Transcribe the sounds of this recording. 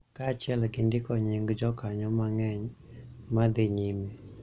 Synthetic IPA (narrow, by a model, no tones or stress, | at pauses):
kat͡ʃɪɛlɡɪndɪkɔɲɪŋɡd͡ʒɔkaɲɔmaŋɛɲ | mad̪ɪɲime